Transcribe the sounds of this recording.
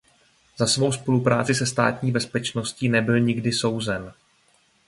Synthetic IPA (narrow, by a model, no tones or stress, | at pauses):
z̥asvo̞wspo̞lupɾaːt͡sɪsɛst̪a̰ːt̪ɲiːbɛspɛt͡ʃno̞sciːnɛbɪlɲɪɡdɪso̞wzɛn